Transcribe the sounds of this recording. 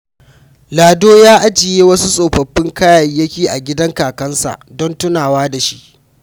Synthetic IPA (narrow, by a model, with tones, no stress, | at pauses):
laː˨doː˦jaː˦ʔa˦d͡ʒɪ˨jeː˦wɐ˦su˦sʼoː˨ɸɐ˨ɸːɪ˦ŋkaː˦jɐ˨jːɐ˦kʲiː˨ʔa˨ɡʲɪ˦dɐ˦ŋkaː˨kɐ˦nsa̰˨ʔdɔ˦ntʊ˦naː˨waː˦da˨ʃi˦ʔ